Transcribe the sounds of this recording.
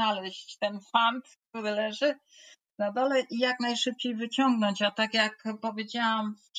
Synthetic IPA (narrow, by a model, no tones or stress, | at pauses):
alɛɕt͡ɕt̪ɛnfant̪k̚t̪uɾɘlɛʐɘ | nad̪ɔlɛʔijaknajʂɘp̚t͡ɕejvɘt͡ɕɔŋɡnɔɲt͡ɕat̪akʲjakpɔvʲjed͡ʑawam